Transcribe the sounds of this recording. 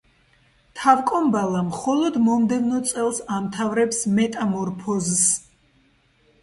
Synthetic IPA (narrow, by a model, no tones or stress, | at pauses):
t̪ʰavkʼɔmbalˠamχɔlˠɔd̪mɔmd̪ɛvnɔt̪sʼɛlˠsamt̪ʰavɾɛpsmɛt̪ʼamɔɾpʰɔzs